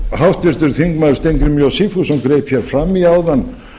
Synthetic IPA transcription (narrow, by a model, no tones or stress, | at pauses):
hawht̪vɪɾ̥t̪ʏɾθiŋkmaðʏ̥st̪ejŋkɾɪmjawsifusɔwmkɾejpçjɛɾ̥fɾamiaːwðan